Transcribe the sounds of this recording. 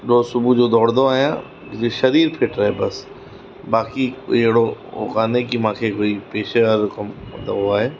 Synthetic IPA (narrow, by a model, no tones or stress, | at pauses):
ɗsʊbʱud͡ʑoːd̪ʱɔːɽnd̪oaːɦijã | eʃɐɾiːɾpʰɪʈɾaːɦebɐs | baːkiɪɦɪɽoʊ̰kaːnekimãːkʰeːkoːipeːʃeʋaɾʊkəmt̪ɐoaːɦeː